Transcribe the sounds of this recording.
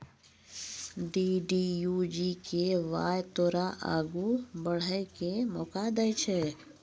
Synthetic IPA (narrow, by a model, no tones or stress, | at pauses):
ɖiɖijud͡ʒikeʋa̰ːjt̪oːɾaʔa̰ːɡubəɽ̤əjkemɔːkad̪əjt͡ʃʰe